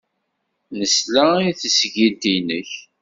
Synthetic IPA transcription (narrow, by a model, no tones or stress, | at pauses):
nəslæiθəsʝilt̪inəç